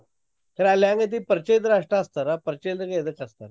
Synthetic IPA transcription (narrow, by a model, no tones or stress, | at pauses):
kəɾaljãŋɡet̪̬iːpəɾt͡ɕəjt̪ɾaʂʈaːst̪aɾapəɾt͡ɕəjt̪əked̪əkast̪aɾ